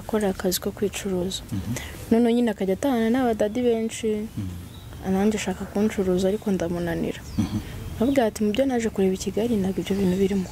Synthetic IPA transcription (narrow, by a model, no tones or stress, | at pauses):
ako̞ɾakaziko̞kwiːt͡ʃuɾuːzḁnonoɲinakaɟatananaβadadiβe̞ːnt͡ʃi | anaːɲɟeaʃaːkakuːnt͡ʃuɾuːzuaɾiko̞ndamunanḭɾanmavuɡaːtimubɟo̞naʒe̞kuɾe̞ːβiciɡaɾinaɡibjo̞βiːnuβiɾimu